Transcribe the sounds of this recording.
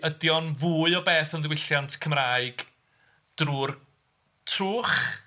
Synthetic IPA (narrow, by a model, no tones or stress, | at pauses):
ədjɔnvuːɨɔbeːθɔndɪwɪɬjantʰkʰəmraːɨɡ̥ | d̥ruːr | tʰruːχ